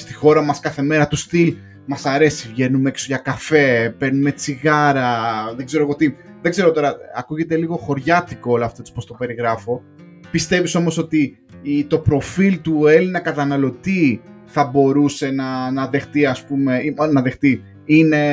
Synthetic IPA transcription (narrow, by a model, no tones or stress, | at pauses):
st̪i̥xo̞ɾɐmɐskɐθe̞me̞ɾɐt̪ust̪il | mɐsɐɾe̞sivʝe̞numeeksoʝɐkɐfe̞pe̞ɾnume̞t͡siɣɐɾɐðeɡze̞ɾoɣot̪i | ðeɡze̞ɾot̪o̞ɾɐɐkuʝe̞t̪e̞liɣo̞xo̞ɾʝɐt̪ikoolɐft̪ot̪ispost̪o̞pe̞ɾiɣɾɐfo̞ | pist̪e̞viso̞moso̞t̪i | t̪o̞pɾo̞filt̪ue̞linɐkɐt̪ɐnɐlo̞t̪i | θɐbo̞ɾuse̞nɐnɐðext̪iɐspume̞inɐðext̪i | ine̞